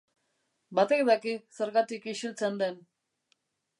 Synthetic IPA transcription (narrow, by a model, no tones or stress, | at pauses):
bat̪ekd̪akiseɾɣat̪ikiʃilt͡send̪en